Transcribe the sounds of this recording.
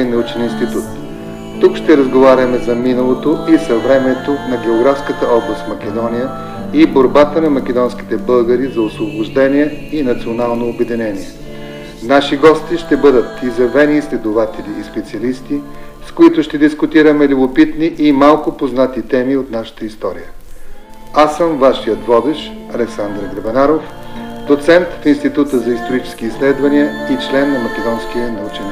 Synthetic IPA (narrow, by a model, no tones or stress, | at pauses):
inɐut͡ʃɛninst̪it̪ut̪ː | ukʃt̪ɛɾɐzɡovaɾʲəmɛzɐminəlˠot̪oisɐvɾɛmɛt̪onɐɡʲɛoɡɾafskət̪əɔblˠəst̪fmɐkʲɛd̪ɔnijə | iboɾbat̪ənɐmɐkʲɛd̪ɔnskʲi̥t̪ɛbɤlˠɡəɾizɐosvoboʒd̪ɛniɛinɐt̪sionalˠnoːbɛd̪inɛniɛ | naʃiɡɔst̪iʃt̪ɛbɤd̪ət̪izɐvɛniːslɛd̪ovat̪ɛliːspɛt̪siɐlist̪i | skoit̪ʊʃt̪ɛd̪iskʊt̪iɾəmɛlʲubopit̪niʔimalˠkopoznat̪it̪ɛmiot̪naʃə̥t̪əist̪ɔɾḭjə | asəmvaʃijət̪vɔd̪ɛʃ | ɐlɛksand̪ɾɡɾɐbɛnaɾof | d̪ot̪sɛnt̪finst̪it̪ut̪əzɐist̪oɾit͡ʃɛ̥skiːslɛd̪vɐniəit͡ʃlɛnːɐmɐkʲɛd̪ɔnskiənɐut͡ʃini